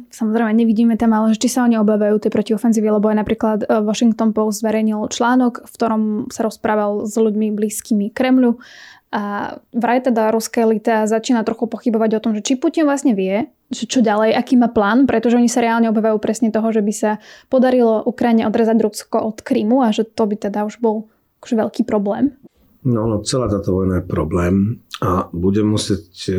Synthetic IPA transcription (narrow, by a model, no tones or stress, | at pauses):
samɔzɾɛjmɛɲɛʋiɟiːmɛt̪amalɛʒɛt͡ʃisaɔɲiɔbaːʋajuːt̪ɛjpɾɔciɔfɛnziːʋialɛbɔajnapɾiːklat̪ʋɔʃiŋkt̪ɔnpɔʊsd̪zʋɛɾɛjɲilt͡ʃlaːnɔkfkt̪ɔɾɔmsaɾɔspɾaːʋalzʎuɟmibliːskiːmikɾɛmʎu | ʔaʋɾajt̪ɛd̪aɾuskalit̪azat͡ʃiːnat̪ɾɔxupɔxibɔʋaɟɔt̪ɔmʒɛt͡ʃipucinʋlasɲɛʋɪɛ | ʒɛt͡ʃɔɟalɛjʔakiːmaːplaːnpɾɛt̪ɔʒɛɔɲisaɾɛaːlɲɛɔbaːʋajuːpɾɛsɲɛt̪ɔɦɔʒɛbisapɔd̪aɾilɔʔukɾajiɲɛʔɔd̪ɾaːzaɟɾuskɔʔɔt̪kɾiːmuaʒɛt̪ɔbit̪ɛd̪auʒbɔlˠ | akɔ̥ʒɛʋɛʎkiːpɾɔblɛːm | nanɔt͡sɛlaːt̪aːt̪ɔʋɔjnajɛpɾɔblɛːmabuɟɛmːusɪɛc